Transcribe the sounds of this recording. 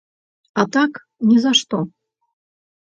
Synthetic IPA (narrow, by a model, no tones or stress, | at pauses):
at̪ak | nʲɛzaʂt̪ɔ